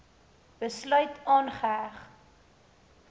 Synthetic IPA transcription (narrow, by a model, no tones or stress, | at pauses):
b̥əslœɥtɑːnχəæχ